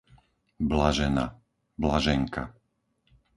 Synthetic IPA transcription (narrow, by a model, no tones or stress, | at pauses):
blaʒɛna̰ | blaʒɛŋka̰